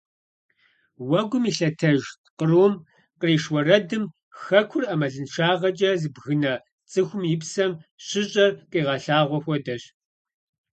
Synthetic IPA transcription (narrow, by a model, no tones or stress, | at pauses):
wɐɡʷʊmiɬɐtʰɐʒtqəroːm | qəriːʂwɔrɐdɨm | xɐkʷʰʊrɐmɐɮɨnʃaːʁɐt͡ʃʼɐzɨbɣɨnɐ | t͡sʼɨxʷʊmjɪpsɐmɕɪɕʼɐrqʼiːʁɑɬaːʁʷɔxʷɔdɐɕ